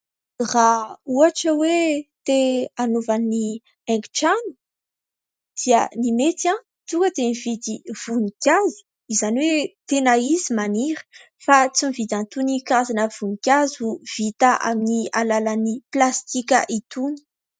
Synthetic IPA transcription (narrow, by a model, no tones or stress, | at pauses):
rauaʈ͡ʂəwet̪eanuvani | ɛŋɡʈ͡ʂanu̥ | d̪̥iənimet̪ã | t̪ukəd̪enivid̪iv̥unikʲazu̥ | izaniwet̪enaizimaniɾə̥ | fat͡simivid̪ãnt̪unikazanəv̥unikʲazuv̥it̪aʔa̰minialalaniplast̪ikʲə̰ʔit̪uni̥